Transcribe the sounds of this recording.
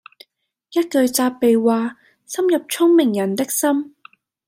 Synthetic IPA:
jɐ˥t̚kɵ˨˧ɥt͡saː˧pːe˨jwaː˨ | sɐ˥mjɐ˨p̚t͡ʃʰʊ˥ŋmɪ˨˩ŋjɐ˨˩nt̪ɪ˥k̚sɐ˥m

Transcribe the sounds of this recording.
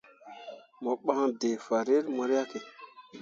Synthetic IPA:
mɔ˨ɓã˦ŋde˨fa˨ɾe˦ɾmɔ˨ɾi˦a˦ke˨

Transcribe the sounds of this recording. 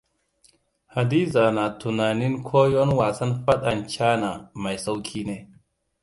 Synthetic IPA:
ha˨di˦za˨na˨tu˨na˨ni˦nkʰo˦jo˦nwa˨sa˦nfa˦ɗa˨nt͡ʃa˦na˨ma˨jsa˦wkʰi˦ne˦

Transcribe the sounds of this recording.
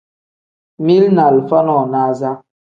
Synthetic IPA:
mi˦lna˨lfa˦nɔ˨na˨˦za˦

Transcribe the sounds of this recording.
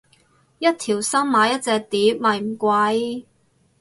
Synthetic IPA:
jɐ˥t̚t̪ʰiː˨˩wsɐ˥mmaː˨˥jɐ˥t̚t͡sɛː˧k̚t̪iː˨˥mɐ˨jm̩˨˩kʷɐ˧˥j

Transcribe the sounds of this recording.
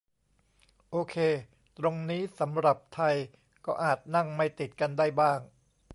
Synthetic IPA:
ʔoː˧kʰeː˧ | t̪ɾo˧ŋniː˦˥sa˩˦mɾa˨˩p̚t̪ʰa˧j | kɔː˥˩ʔaː˨˩t̪̚na˥˩ŋma˥˩jt̪i˨˩t̪̚ka˧ndaː˥˩jbaː˥˩ŋ

